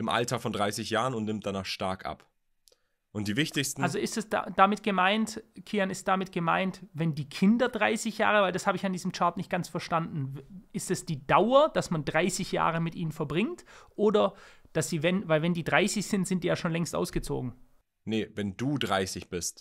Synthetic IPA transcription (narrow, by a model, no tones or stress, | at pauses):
ʔɪmʔa̰ltɐfɔndʁaɪsɪçjaːʁənʊntnɪmt̚d̥anaːχʃtaɐkʔa̰p | ʔʊntd̥iːvɪçtɪçstn̩alzoɪstɛsd̥a̰d̥amɪt̚ɡ̥əmaɪntkʰiːanɪst̚d̥amɪtɡ̥əma̰ɪntvɛndiːkʰɪndɐdʁa̰ɪsɪçja̰ːʁ̞əvaɪldashaːbəɪçandiːzm̩t͡ʃaɐtnɪçt̚ɡ̥ant͡sfɛɐʃtandn̩ʔɪstɛsd̥iːdaʊɐd̥asmandʁaɪsɪçja̰ːʁəmɪtʔḭːnənfɛɐbʁɪŋtʔoːdɐd̥asz̥iːvɛnvaɪlvɛndiːdʁaɪsɪçz̥ɪntz̥ɪntd̥iːjaːʃoːnlɛŋstʔa̰ʊsɡ̥ət͡so̰ːɡŋ̩ | nəvɛnduːdʁaɪsɪçb̥ɪst